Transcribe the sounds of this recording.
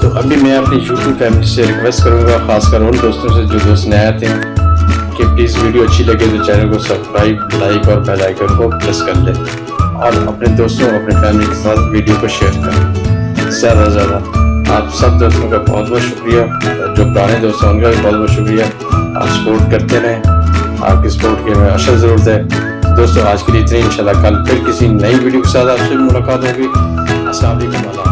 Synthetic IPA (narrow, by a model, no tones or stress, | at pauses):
t̪oːʔɐbʱimɛ̃ɐpnijuːʈjuːbfɛːmɪliseɾɪkʋeːsʈkɐɾũːɡaxaːskəɾʊnd̪oːst̪õsed͡ʒoːd̪oːst̪neɛːt̪eɦɛ̃ | kepliːzʋiːɖijoɐtːʃʰilɐɡed͡ʒoːt͡ʃɛːnəkosɐbskɾaːɪblaːɪkɔːɾpɛːlaːɪkəɾkopɾɛskɐɾd̪ẽː | ɔːɾɐ̰pned̪oːst̪õɐpnefɛːmɪlikesaːt̪ʋiːɖijokoʃeːɾkɐɾõ | sɛːɾʋəzad̪aːaːpsɐb̚d̪oːst̪õkabɔ̰ːt̪̚bɔːd̪ʃʊkɾijaː | d͡ʒoːpɾaːnẽd̪oːst̪õʊnkabʱibɔːt̪̚bɔːd̪ʃʊkɾija | a̰ːpsɐ̥poːɾʈkɐɾt̪enɐɦɛ̃ | a̰ːp̚kesɐ̥poːɾʈkemẽɐsəlzɐɾuːɾət̪ɦɛː | d̪oːst̪õaːd͡ʒkeliɪt̪neɪnʃaːlːakɐlpʰɪɾkɪsinɐiʋiːɖijokesaːt̪aːpsebimʊlaːkaːt̪ɦoːɡi | ɐsãːbikimaːlaː